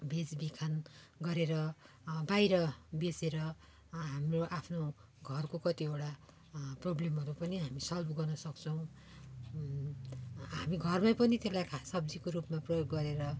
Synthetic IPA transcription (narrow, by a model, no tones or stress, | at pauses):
bed͡zbikʰanɡʌɾeɾʌ | bajɾʌbeseɾʌ | ɦamroʔapʰno | ɡʱʌrkokʌt̪iewɽa | problemɦʌɾupʌniɦamisʌlbʱɡʌrnʌsʌkt͡sʰʌw̃ | ɦamiɡʱʌrmajpʌnit̪elajkʰasʌb̚d͡zikoɾupmaprʌjoɡːʌɾeɾʌ